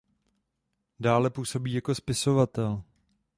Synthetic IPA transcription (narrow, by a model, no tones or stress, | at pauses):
daːlɛpuːso̞biːjako̞spɪso̞vat̪ɛl